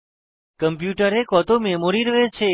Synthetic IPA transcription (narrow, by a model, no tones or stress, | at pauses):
kəmpjuʈəɾekɔt̪omemoɾiɾəɦet͡ʃʰe